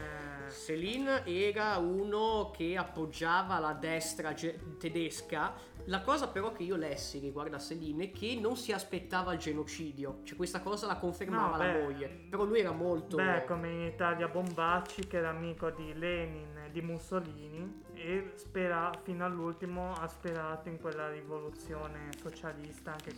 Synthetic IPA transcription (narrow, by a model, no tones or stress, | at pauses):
selinɛːɾauːnokʰeapːod͡ʒːaːvalad̪ɛst̪ɾad͡ʒet̪ed̪eska | lakɔːzapeɾɔk̟ːeiːolɛsːiɾiɡward̪aselinɛkʰːenːonsiaspet̪ːaːvaːld͡ʒenot͡ʃiːd̪jot͡ʃoɛkwest̪akɔːzalakoɱfermaːvalaɛmoʎːe | peɾɔlːujɛːɾamolt̪obɛkːomeinit̪aljabombat͡ʃːikeɛːɾaːmiːkod̪ilɛnin | d̪imusoliːni | espeɾafinoalːult̪imoaspeɾaːt̪oiŋkwelːaɾivolut̪sːjoːnesot͡ʃalist̪aaŋke